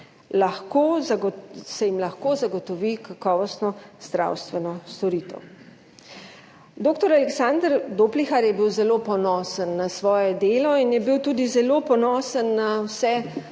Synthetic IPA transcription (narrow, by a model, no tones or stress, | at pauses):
laxkozsɛjimlaxkoːzaɡɔt̪ɔʋikakɔːʋɔst̪nɔz̥d̪ɾa̰wst̪ʋɛnɔst̪ɔɾiːt̪ɛ̰w | d̪oːkt̪ɔɾalɛksand̪əɾd̪oːplixaɾjɛbiwzɛlopɔnɔːsənːasʋɔːjɛd̪eːlɔinjɛbiwt̪uːd̪izɛlopɔnɔːsənːawsɛ